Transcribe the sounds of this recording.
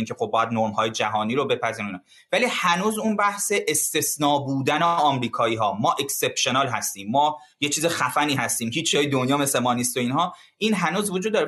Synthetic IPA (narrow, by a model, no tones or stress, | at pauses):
incʰexob̚ːɒːjæd̪noɾmhɒːje̞d͡ʒæɦɒːniːɾobe̞pʰæziːɾunɛ | væliːhænuːzunbæhseʔest̪e̞snɒːbuːd̪æneɒːmɾiːkʰɒːiːɦɒːmɒːʔekse̞pʃonɒlɦæst̪iːmːɒː | jet͡ʃʰiːzexæfæniːhæst̪iːmhiːt͡ʃjɒːjed̪onjɒːmese̞mɒːnist̪o̞iːnɦɒː | ʔiːnɦænuːzvod͡ʒuːd̪ːɒɾe